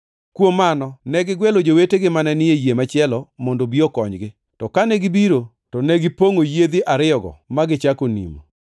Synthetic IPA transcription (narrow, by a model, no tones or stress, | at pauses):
kwomanɔnɛɡɪɡwɛlod͡ʒoweteɡɪmanɛnɪjejemat͡ʃɪɛlɔmɔndobiɔkɔɲɡɪ | tɔkanɛɡɪbiɾo | tɔnɛɡɪpoŋojed̪iʔaɾɪɔɡɔ̰maɡɪt͡ʃakonḭmo